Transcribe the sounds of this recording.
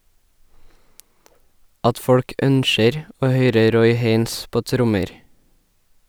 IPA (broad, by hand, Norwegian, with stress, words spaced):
ˈɑt ˈfɔɽk ˈʔœnʃəɾ ˈoː ˈhœʏɾə ˈɾɔʏ ˈheɪns ˈpoː ˈtɾʊməɾ